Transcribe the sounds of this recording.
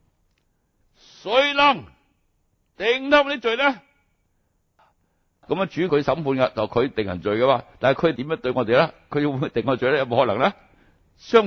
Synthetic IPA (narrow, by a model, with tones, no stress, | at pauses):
sɵ˨˧˥ɥlɐ˨˩ŋ | t̪e˨ŋt̪ɐ˥˩mniː˥t͡ʃɵ˨ɥlɛ˥˨ | kɐ˨˥ma˧t͡ʃyː˨˥kʰɵ˧ɥsɐ˨˥mpʰuː˧nka˧t͡sɐ˨˩kʰɵ˨˧ɥt̪ɪ˨ŋhɐ̰˨˩t͡sɵ˨ɥjkɐ˧maː˧t̪aː˨n˨jkʰɵ˨˧jt̪i˨˥mjːŋt̪ɵ˧ɥŋɔ˨˧t̪e˨jlaː˧˥kʰɵ˨˧ɥji˧mu˧t̪e˨ŋːɔː˧t͡ʃɵ˨˩ɥlɛː˥jɐ˧mo˨˧hɔ˧˥lɐ̰˨˩ŋlaː˥ | sœː˥ŋ